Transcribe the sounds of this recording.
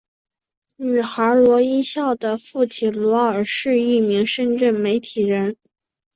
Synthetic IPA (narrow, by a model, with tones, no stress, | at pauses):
ny˨˩xa˧˥lwɔ˧˥i˥ɕjɑ˥˩ʊd̪ə˩fu˥˩t͡ɕʰi˨˥˩lwɔ˧˥ə˞˨˩ʂɻ̩˥˧i˥˩mi˧˥ŋʂə˥˧nʈ͡ʂə˥˩nme˧˥ɪt̪ʰi˨˩ɻə˧˥n